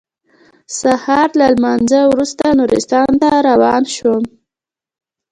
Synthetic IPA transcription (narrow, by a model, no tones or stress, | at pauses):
sahɑɾlalmanzəwɾust̪anuɾɪ̰st̪ɑnt̪aɾawɑnʃwə